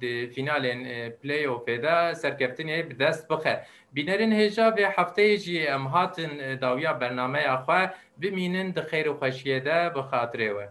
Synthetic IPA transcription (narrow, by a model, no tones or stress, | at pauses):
d̪ɨfinɑːlenplejofed̪ɛsɛɾkʰɛft̪ɨnebɨd̪ɛst̪̚bɨxɛ | biːnɛɾenheːʒɑːveːħaft̪ɛjeʒiɛmɦɑːt̪ɨnd̪ɑːwijɑːbɛɾnɑːmɛjɑːxwɛ | bɨmiːnɨnd̪ɨxejɾexʷɛʃijed̪ɛbɨxɑːt̪ɨɾeːwɛ